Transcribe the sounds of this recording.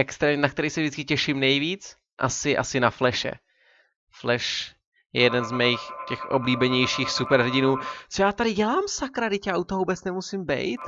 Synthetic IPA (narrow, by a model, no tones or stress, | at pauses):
ʔɛkst̪ɾɛːmɲɛnakt̪ɛɾiːxsɛvʒdɪt͡skɪcɛʃɪmnɛjviːt͡s | ʔa̰sɪʔa̰sɪnaflɛʃɛ̰ | flɛʃ | jɛ̰jɛdɛnzmɛjixcɛxʔo̰bliːbɛɲɛjʃiːxsupɛɾɦɟɪnuːt͡sojaːt̪adɪɟɛlaːmsakɾadɪcaaʔut̪oɦouːbɛt͡snɛmusimbɛ̰jt̪